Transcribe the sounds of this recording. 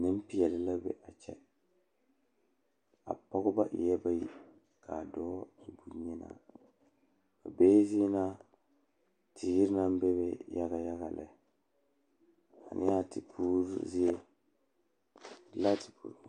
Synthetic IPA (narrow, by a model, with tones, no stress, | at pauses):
nɪ˦m˦pi˦jɛ˨lɪ˨la˦bɛ̰˨ʔa˨t͡ʃɛ˦ | a̰˨pɔ˦ɡʊ˦ba˦ʔḭ˨jɛ˦ba˦ji˦ | ka˨dɔː˦i˨bu˨ɲɛ˦na̰˨ | ka˨beː˦zi˦e˦na˦ | tʰiː˨ɡi˦ɾna˦m˦be˦bɛ˦ja˦ɣa˨ja˦ɣa˨lɛ̰˨ | a̰˨nʔɪ̰˦a˦ti˨pʰuː˦ɾ̰zi˦je˦ | la˦tʰi̥˨pʰṵ˨ɾ